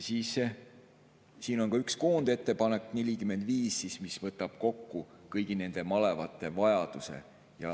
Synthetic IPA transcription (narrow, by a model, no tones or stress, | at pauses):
siːs | siːno̞nkɑykskoːnd̪e̞t̪ːe̞pɑne̞kːne̞lʲikyme̞nd̪̥viːsːismisvɤt̪ːˑɑb̥̚ko̞kːu | kɤjɡ̥ine̞nd̪̥e̞mɑlevɑt̪ːˑe̞vɑjɑd̪̥use̞̰ | jɑ